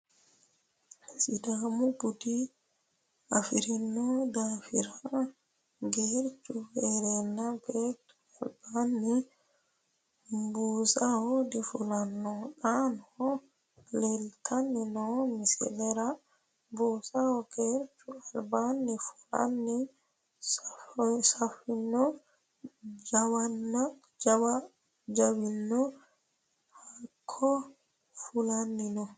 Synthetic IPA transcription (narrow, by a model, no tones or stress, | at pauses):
sidamubudi | afiɾinːɔdafiɾa | ɡɛɾtufɛɾɛnːaɡɛɾtu̥albanːi | mbuːsahodifulanːɔɗanhɔ | lɛlt̪ʰanːinɔmisɛ̰lɛɾa | busahɔkɛɾt͡ʃualbanːifu̥la̰nːi | s | safinːɔ | d͡ʒawanːa | d͡ʒawa | d͡ʒawinːɔ | hakʰːɔ | fulanːinɔ